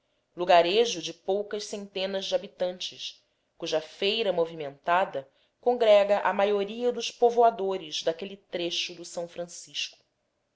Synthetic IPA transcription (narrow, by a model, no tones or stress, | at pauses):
luɡaɾeʒʊd͡ʒɪpowkɐʃsẽnt̪ẽnɐzd͡ʒɪabit̪ɐ̃nt͡ʃɪʃ | kuʒɐfejɾɐmovimẽnt̪ad̪ɐ | kõŋɡɾɛɡɐʔamajoɾiɐd̪ʊʃpovoad̪oɾɪzd̪akelit̪ɾeʃʊd̪ʊsɐ̃w̃fɾɐ̃siʃkʊ̥